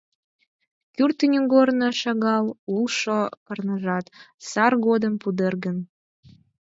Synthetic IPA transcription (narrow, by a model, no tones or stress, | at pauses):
kyrt̪ənʲyŋɡornoʃɑɣɑlulˠʃokərnəʒɑt̪sɑrɣod̪əmpud̪erɣən